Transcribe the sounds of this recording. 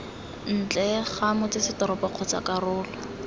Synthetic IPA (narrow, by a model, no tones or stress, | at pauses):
n̩t͡ɬɛχamʊt͡sɪsɪtɔɾɔpɔq͡χʰɔt͡sa̰karʊːlɔ